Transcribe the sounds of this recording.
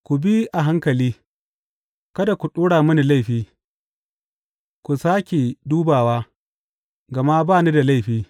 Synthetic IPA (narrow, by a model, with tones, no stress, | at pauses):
kʷu˨bi˦ʔa˨ɦa˦ŋkɐ˨liː˦ | kɐ˦da˨kʷu˨ɗoː˦ɽaː˨mʊ˦ni˨la˦jɸiː˦ | kʷu˨saː˦kʲe˨duː˦baː˨waː˦ | ɡɐ˨ma˦baː˦˨ni˦da˨la˦jɸiː˦